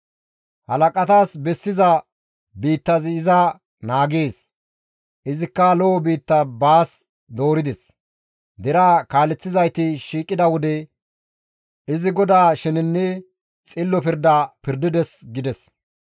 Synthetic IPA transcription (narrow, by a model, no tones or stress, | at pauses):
hɐlɐkʼɐt̪aːsbɛsːɪzɐ | biːt̪ːɐzɪɪzɐ | naːɡeːs | ʔɪzɪkːɐloːɔbiːt̪ːɐbaːs | d̪o̞ːɾɪd̪ɛs | d̪ɛɾaːkaːlɛt͡sːɪzɐjt̪ɪʃiːkʼːɪd̪ɐwɔd̪ɛ | ɪzɪɡɔd̪aːʃɛnɪnːɛ | t͡sʼɪlːɔpɪɾd̪aːpɪɾd̪ɪd̪ɛsɡɪd̪ɛs